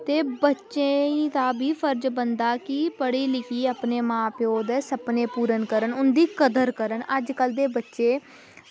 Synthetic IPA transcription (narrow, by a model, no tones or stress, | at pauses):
t̪eːbətːʃeːiːt̪aːbiːpʰəɾd͡ʒbənd̪aːkɪpəɽiːlɪkiːaːpneːmãːpjoːd̪ɛːsəpneːpuːɾənkəɾənʊnd̪iːkəd̪əɾkəɾənəd͡ʒkəld̪eːbətːʃeː